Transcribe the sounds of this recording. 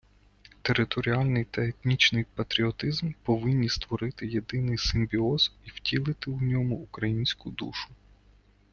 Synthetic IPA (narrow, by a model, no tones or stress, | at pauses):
t̪eɾɪt̪ɔɾʲiɑlʲnɪjt̪ɐet̪nʲit͡ʃnɪjpɐt̪ɾʲiɔt̪ɪzmpɔʋɪnʲːist̪ʋɔɾɪt̪ɪjed̪ɪnɪjsɪmʲbʲiɔz̥iw̥tʲilˠɪt̪ɪwnʲɔmʊːkɾɐjinʲsʲkʊd̪ṵʃʊ̥